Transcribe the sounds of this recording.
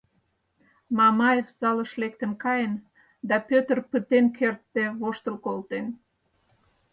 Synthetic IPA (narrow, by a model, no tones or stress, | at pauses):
mɑmɑjefsɑləʃlekt̪əmkɑjən | d̪ɑpøt̪ərpət̪enkert̪ːeβoʃt̪əlkolt̪en